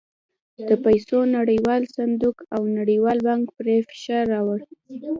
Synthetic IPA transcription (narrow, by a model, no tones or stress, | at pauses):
d̪̥əpajsonaɽəjwɑlsand̪ukawnaɽiwɑlbɑŋkpɾefɪ̥ʃɑɾːɑwəɽ